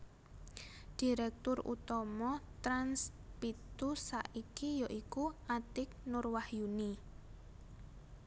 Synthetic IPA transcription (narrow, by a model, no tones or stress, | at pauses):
d̥i̤ɾɛk̚t̪ʊrṵt̪ɔmɔt̪ɾanspit̪usaʔikijɔʔikuat̪ɪk̚nʊrwahjuni